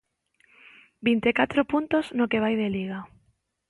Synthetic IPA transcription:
bint̪ekat̪ɾopunt̪oznokeβ̞ajðeliɣ̞a

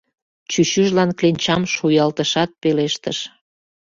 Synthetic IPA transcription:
t͡ɕyɕyʒlɑnklenʲt͡ɕɑmʃujɑlt̪əʃɑt̪̚peleʃt̪əʃ

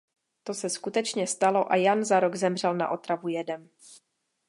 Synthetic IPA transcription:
t̪o̞sɛskut̪ɛt͡ʃɲɛst̪alo̞ʔajanzaɾo̞ɡzɛmr̝ɛlna̰ʔo̞t̪ɾavujɛdɛm

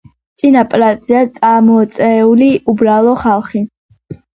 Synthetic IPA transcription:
t̪sʼinapʼɾazʼiat̪sʼamɔt̪sʼɛuliʔubɾalˠɔχalˠχi

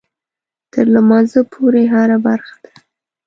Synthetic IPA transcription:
t̪ʰəɾlamɑzəpʰoɾeɦaɾabaɾxḁd̪a

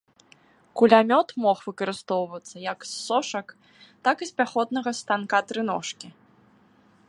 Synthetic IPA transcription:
kulʲamʲɔt̪mɔxvɨkɐɾɨst̪ɔwvɐt̪sːɐjɐksːɔʂɐk | t̪akisʲpʲaxɔd̪̚nɐɣɐst̪ankat̪ɾɨnɔʂkʲi

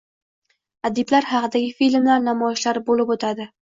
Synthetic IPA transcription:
ad̪ɪblaɾhɑqɨd̪aɡʲɪfilmlaɾnamɒjɪʃlaɾbolɪpot̪ʰad̪ɪ

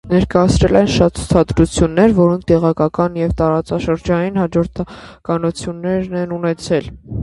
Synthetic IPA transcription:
nɛɾkɑjɑt͡sʰɾɛlɛnʃɑt̪t͡sʰu̥t͡sʰɑd̪ɾut͡sʰjunːɛɾvɔɾɔŋkʰt̪ɛʁɑkɑkɑnjɛvt̪ɑɾɑt͡sɑʃəɾd͡ʒɑninɦɑd͡ʒɔɾt̪ʰɑkɑnut͡sʰjunːɛɾnɛnunɛt͡sʰɛl

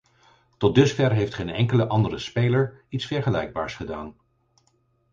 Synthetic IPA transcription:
tɔt̚dɵsfɛɹɦejftχejnɛŋkələʔɑndərəspejləɹitsfɛɹχəlɛjɡ̚baːɹsχədaːn

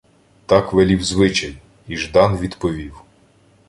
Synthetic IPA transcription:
t̪ɑkʋɛlʲiwzʋɪt͡ʃɐj | iʒd̪ɑnʋʲid̪pɔʋʲiw

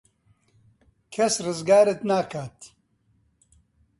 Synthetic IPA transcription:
kʰɛsrɨzɡaːɾɨt̪naːkʰaːt̪

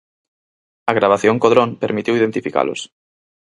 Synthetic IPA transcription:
ɐɣ̞ɾaβ̞aθjoŋkoðɾõŋpeɾmit̪iwiðent̪ifika̰lʊ̰s

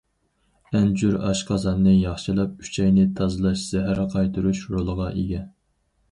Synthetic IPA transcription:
ɛnd͡ʒyɾɑ̰ʃqʰɑzɑnːɨjɑχʃɨlˠɑp̚y̥t͡ʃʰɛjnɪt̪ʰɑzɨlˠɑʃz̥æɦæɾqʰɑjt̪ʰɨɾuʃɾolˠəʁɑʔeɡʲɛ

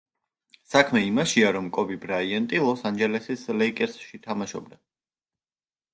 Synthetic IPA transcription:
sakʰmɛimaʃiaɾɔmkʼɔbibɾaiɛnt̪ʼilˠɔsand͡ʒɛlɛsislɛikʼɛɾsʃit̪ʰamaʃɔ̰b̚d̪a

